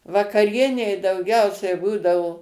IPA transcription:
ʋɐkɐˈrʲiɛnʲɛɪ dɐʊˈɡʲɛʊsʲɛɪ ˈbuːdɐʋoː

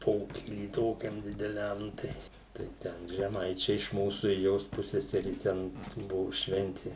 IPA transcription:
ˈpoːkʲiːlʲiː ˈtoːkʲɛm dʲɪdʲɛˈlʲɛm tɐɪ tɐɪ ˈtʲɛn ʒʲɛˈmɐɪt͡ʃʲɛɪ ɪʃ ˈmuːsuː ɪr ˈjoːs ˈpʊsʲsʲɛsʲɛrʲɪ ˈtʲɛn ˈbʊʋʊ ˈʃʲʋʲɛnʲtʲɪ

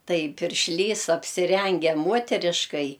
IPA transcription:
ˈtɐɪ pʲɪrʲʃʲˈlʲiːs ɐpʲsʲɪˈrʲɛŋʲɡʲɛ ˈmuɔtʲɛrʲɪʃkɐɪ

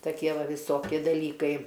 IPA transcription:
tɐˈkʲiɛ ˈʋɐ ʋʲɪˈsoːkʲɪ dɐˈlʲiːkɐɪ

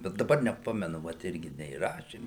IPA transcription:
bʲɛt dɐˈbɐr nʲɛˈpɑːmʲɛnʊ ʋɐt ˈɪrʲɡʲɪ nʲɛiːˈrɑːʃʲeːm

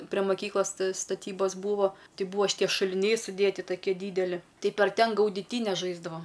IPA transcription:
pʲrʲɛ mɐˈkʲiːklˠɐs stɐˈtʲiːboːs ˈbuːʋoː ˈtɐɪ ˈbuːʋoː ʃʲɪˈtʲiɛ ʃʊlʲɪˈnʲɛɪ sʊˈdʲeːtʲɪ tɐˈkʲiɛ ˈdʲiːdʲɛlʲɪ ˈtɐɪ pɐr ˈtʲɛn ɡɐʊdʲɪˈtʲiːnʲɛs ˈʒɐɪzdɐʋɐm

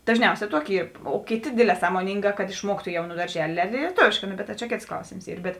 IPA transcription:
dɐʒʲˈnʲɛʊsʲɛː ˈtuɔkʲɪ ˈiːr oː ˈkʲeːˌtʲeː ˈdʲeːdʲˌlʲɛː sɐmoːˈnʲiːŋɡɑː kɐt ɪʃˈmuɔktʊ ˈjɛʊ nʊ dɐrʲˈʒʲæːlʲeː lʲiɛˈtoːʋʲeːʃkɑː ˈnoː bʲɛt tɐ t͡ʃʲɛ ˈkʲeːts ˈklˠɐʊsʲeːms ˈiːr bʲɛt

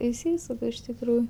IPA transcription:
ɪʃʲˈsʲiːsʊk ɪʃ tʲɪkˈruːj

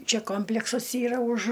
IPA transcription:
ˈt͡ʃʲɛ ˈkoːmʲpʲlʲɛksɐs ˈiːrɐ ʊʃ

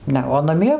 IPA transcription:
ˈnʲɛ oː nɐˈmʲiɛ

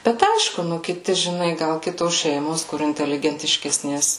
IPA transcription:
ˈbʲɛt ˈɐɪʃkʊ ˈnʊ ˈkʲɪtʲɪ ʒʲɪˈnɐɪ ɡɐlˠ ˈkʲɪtoːs ˈʃʲɛɪmoːs kʊr ɪnʲtʲɛlʲɪɡʲɛnʲtʲɪʃʲkʲɛsʲˈnʲeːs

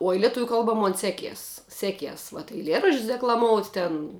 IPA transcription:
oːj lʲɛˈtʊʋʲuː ˈkɐlˠbɐ ˈmoːn ˈsʲæːˌkʲiɛs ˈsʲæːˌkʲiɛs ʋɐt ɛɪˈlʲiɛrɐʃʲt͡ʃʲsʲ dʲɛklˠɐˈmoːʊtʲ tʲɛn

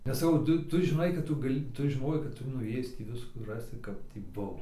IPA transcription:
nʲɛs sɐˈkɐʊ ˈtʊ ˈtʊ ʒʲɪˈnɐɪ kɐt ˈtʊ ɡɐˈlʲɪ ˈtʊ ʒʲɪˈnoːjɛɪ kɐt ˈtʊ nʊˈeːjɪs tʲiː ˈʋʲɪskuː ˈrɑːsʲɪ ˈkɐp tʲiː ˈbʊʋoː

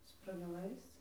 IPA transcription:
sprɐɡʲɛˈlˠɐɪs

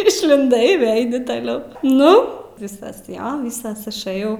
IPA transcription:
ɪʃʲlʲɪnˈdɐɪ ɪ ˈʋʲeːɪ ˈɐɪnʲɪ tɐˈlʲɛʊ ˈnʊ ˈʋʲɪsɐs joː ˈʋʲɪsɐs ɪʃˈɘjɛʊ

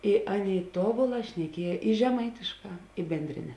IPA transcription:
ɪ ˈɑːˌnʲeːɪ ˈtoːbʊˌlˠɑː ʃʲnʲɛˈkʲiɛj ɪ ʒʲɛˈmɐɪtʲɪʃˌkɑː ɪ bʲɛnʲdʲˈrʲɪnʲɛ

